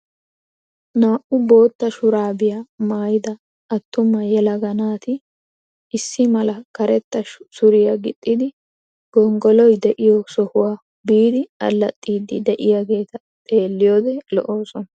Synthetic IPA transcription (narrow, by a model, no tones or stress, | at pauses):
naːʔʊbo̞ːt̪ːɐʃʊɾaːbɪjɐmaːjɪd̪ɐ | ɐt̪ːʊmːɐjɛlɐɡɐnaːt̪ɪ | ɪsːɪmɐlɐkɐɾɛt̪ːɐsʊɾɪjɐɡɪt̪ʼːɪd̪ɪ | ɡ̥ɔŋɡɔlɔjd̪ɛʔɪjɔsɔhʊwaː | biːd̪ɪɐ̰lːɐt̪ʼːiːd̪ɪ̰d̪ɛʔɪjaɡe̞ːt̪ɐ | t̪ʼe̞ːlːɪjoːd̪ɛlɔ̰ʔoːsɔnɐ